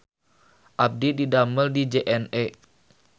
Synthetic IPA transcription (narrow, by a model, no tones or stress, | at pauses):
ʔap̚dididaməldid͡ʒeʔɛnɛ